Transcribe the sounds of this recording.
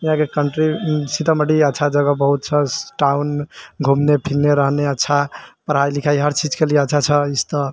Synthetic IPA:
iɦãkekəɳʈɾisit̪aməʈiətːʃʰad͡ʒəɡəbəɦut̪̚t͡ʃʰʌsʈawnɡʱumnepʰilːeɾəɦneətːʃʰapəɾɦailikʰaiɦəɾt͡ʃid͡ʒkelieətːʃʰat͡ʃʰʌist̪ə

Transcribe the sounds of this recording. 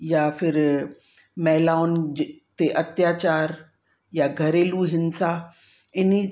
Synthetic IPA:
jafɪɾ | mɛɦlaːʊnt̪eʔɐt̪jaːt͡ɕaːɾ | jaɡʱɐɾeːluɦɪnsa | ɪni

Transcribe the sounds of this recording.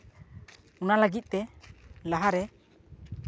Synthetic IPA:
unaləɡit̪̚ˀt̪ɛlaɦaɾɛ

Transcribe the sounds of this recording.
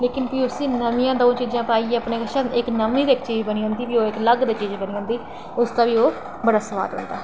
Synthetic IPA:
leːkɪnpiːʊsĩːnəmĩjãːd̪õːt͡ʃiːd͡ʒãːpaːieːəpneːkʃəɪknəmĩːd̪eːɪkt͡ʃiːd͡ʒbəniːɦõːnd̪iːpiːoːɪkləɡd̪eːt͡ʃiːd͡ʒbəniːɦʊːnd̪iː | ʊst̪ãːʋiːoː | bəɽaːsəʋa̰ːd̪ɦʊ̰̃ːnd̪a̰ː

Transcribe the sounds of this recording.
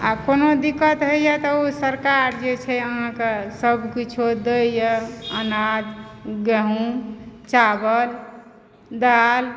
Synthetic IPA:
akonod̪ikət̪ɦəjjət̪ɔosəɾkaɾd͡ʒet͡ʃʰɛəɦãkesəbʱkit͡ʃʰud̪əjəənad͡ʒ̪ɡəɦũt͡ʃabəl | d̪al

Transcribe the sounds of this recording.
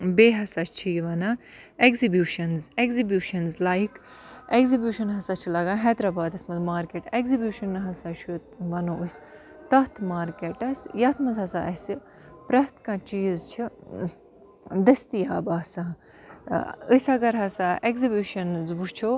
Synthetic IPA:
beːɦɐsat͡ʃʰiʋɐna | ekzibjuːʃɐnzeɡzibjuːʃɐnzlaːik | eɡzibjuːʃɐnɦɐsat͡ʃʰilɐɡãːɦɛːd̪ɾɐbaːd̪ɐsmɐzmaːɾkeːʈekzibʲjuːʃɐnɦɐsaʃut̪ʋɐnoːʔɨsʲ | t̪ɐɦt̪ʰmaːɾkeʈɐsjɐt̪ʰmɐzɦɐsaʔɐsi | pɾɐt̪kãːt͡ʃiːzt͡ʃʰi | d̪ɐst̪ijaːbaːsa | əsʲɐɡɐɾɦɐsaeɡzibjuːʃɐnzʋut͡ʃʰo

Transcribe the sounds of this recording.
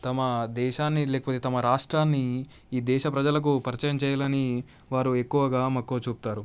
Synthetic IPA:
t̪ɐmɐd̪ɛːʃaːnːilɛːkɐpoːt̪et̪ɐmɐɾaːʂʈɾaːnːi | iːd̪ɛːʃɐpɾɐd͡ʒɐlɐk̬upɐɾit͡ʃɐjɐmt͡ʃɛːjalɐni | ʋaːɾuekːuʋɐɡaːmɐkːoːt͡ʃuːp̚t̪aːɾu

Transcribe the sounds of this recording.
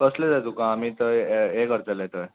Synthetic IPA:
əsled͡zajt̪ukãːmiːt̪əekəɾt̪əlet̪əj

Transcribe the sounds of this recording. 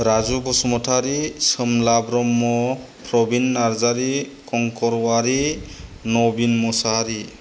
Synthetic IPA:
ɾazubɔsumɔtʰaɾisɯmlabɾɔmːɔ | pɾɔbinːaɾzaɾikɔŋkɔɾwaɾi | nobinmɔsaɦaɾi

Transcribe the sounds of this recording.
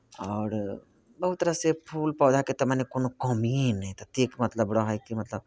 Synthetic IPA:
ɔːɾ | bɐɦut̪t̪ːəɾasepʰuːlpɔːd̪ʱaket̪ɐmanekonokɔmiːnɦt̪ɐt̪eːkmɐt̪ləbɽaɦaikimɐt̪ləb

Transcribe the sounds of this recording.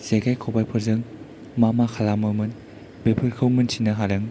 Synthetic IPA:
z̥eɡajkʰowbajpʰɯɾzɯŋ | mamaxʰalamɯmɯn | bepʰɯɾkʰɯwmɯnsinɯɦaɾɯŋ

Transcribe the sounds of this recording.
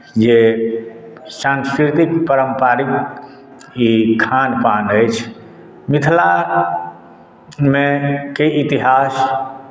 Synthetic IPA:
d͡ʒe | sãnskɾit̪ikpəɾəmpaɾik | ikʰanpanəjt͡ʃʰ | mit̪ʰla | mekeit̪iɦas

